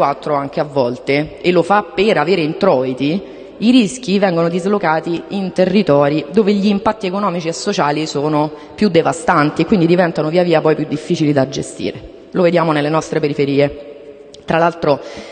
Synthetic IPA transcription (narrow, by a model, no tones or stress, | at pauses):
wat̪ːɾoaŋk̟eavːɔlt̪eelofapːeɾaveːɾeint̪ɾɔːit̪i | iɾisk̟ivɛŋɡonod̪izlokaːt̪iint̪erːit̪ɔːɾid̪oːveʎiːmpat̪ːiekonɔːmit͡ʃiesːot͡ʃaːlisoːno | pjud̪ːevast̪ant̪iekwind̪id̪ivɛnt̪anoviːaviːapɔjpjud̪ːifːiːt͡ʃilid̪ad͡ʒḛst̪ḭːɾe | loved̪jaːmonelːenɔst̪ɾepeɾifeɾiːe | t̪ɾʔalalt̪ɾo